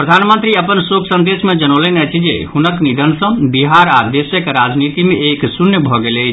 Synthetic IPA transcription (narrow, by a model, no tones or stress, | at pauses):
pɾəd̪ʱanmənt̪ɾiəpənsokʰsə̃nd̪esmed͡ʒənolenɛt͡ʃʰid͡ʒḛhunəknid̪ʱənsə̃biɦaɾad̪esjəkeɾad͡ʒnit̪imeeksunjəbʱɔɡelət͡ʃʰ